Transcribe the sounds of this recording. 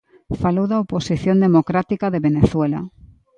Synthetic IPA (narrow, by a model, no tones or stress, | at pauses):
falowðaoposiθjond̪emokɾat̪ikaðeβeneθwela̰